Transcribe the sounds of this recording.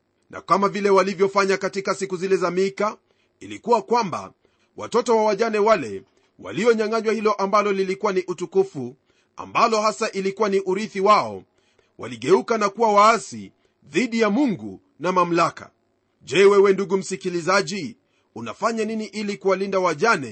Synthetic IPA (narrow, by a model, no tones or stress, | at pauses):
nʔa̰kamavilɛwalivjɔfaɲakatikasikuzilɛzamika | ilikuwakwamba̰ | wa̰tɔtɔwawaʄanɛwalɛ̰ | wa̰liɔɲaŋaɲwahilɔʔambalɔlilikuwaniʔutukufu | a̰mbalɔhasaʔilikuwaniʔuɾiθiwaɔ̰ | wa̰liɠɛukanakuwawaasḭ | ðiɗijamuŋɡṵ | namam̩laka̰ | ʄɛwɛwɛnduɡum̩sikilizaʄi | una̰faɲaniniʔilikuwalindawaʄanɛ